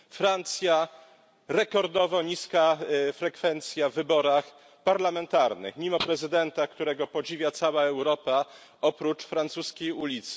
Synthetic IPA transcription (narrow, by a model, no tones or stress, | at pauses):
fɾant̪sʲja | ɾɛkɔɾd̪ɔvɔɲiskafɾɛkfɛnt̪sʲjavːɘbɔɾax | paɾlamɛnt̪aɾnɘ̰xmʲimɔpɾɛzɘd̪ɛnt̪akt̪uɾɛɡɔpɔd͡ʑivʲjat̪sawaɛwɾɔpa | ɔpɾut͡ʂfɾant̪suskʲejulʲit̪s